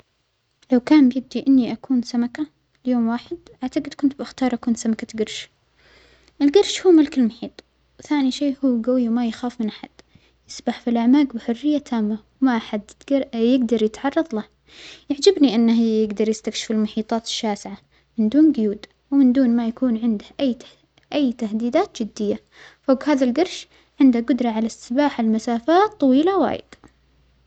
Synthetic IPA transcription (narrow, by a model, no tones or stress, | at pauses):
lawkaːnbɪjɪb̚d̪iʔɪnːiʔakʰuːnsamaka | ljoːmwaːħɪd̪ʔaʕt̪aɡɪd̪kʊnt̪̚bɪxt̪ɑːɾˤʔakuːnsamakaɡɑɾˤʃ | ʔɪlɡɑɾˤʃhuːmʊlkɪlmʊħiːt̪ˤ | wθaːniʃeːhuːɡawiwmajaxaːfmɪnʔaħa̰d̪̥ | jɪsbaħfilʔaʕmaːɡbɪħʊrːɪjːat̪ʰaːmːawmaʔaħad̪jɪɡd̪ɑɾˤjɪt̪ʕɑrˤːɑðˤla | jaʕd͡ʒɪbniʔɪnːahjjɪɡd̪ɑɾˤjɪst̪akʃɪ̥fɪlmʊħiːt̪ˤɑːt̪ɪ̥ʃːaːsʕa | mɪnd̪uːnɡʊjuːd̪ | wmɪnd̪uːnmajakuːnʕɪnd̪hʔajː | ʔajːt̪ahd̪iːd̪aːt̪̚d͡ʒɪd̪ːɪjːa | foːɡhaːðalɡɑɾˤʃ | ʕɪnd̪aɡʊd̪ɾˤɑʕalast̪ɪbaːħalmasaːfaːt̪ˤːɑwiːlawa̰ːjɪ̰d̪̥